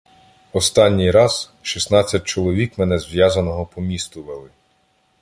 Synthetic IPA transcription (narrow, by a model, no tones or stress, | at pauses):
ɔst̪ɑnʲːijɾɑz̥ | ʃisnɑt͡sʲːɐt̚ʲt͡ʃɔlˠɔʋʲikmɛnɛzʋʲjɑzɐnɔɦɔpɔmʲist̪ʊʋelˠɪ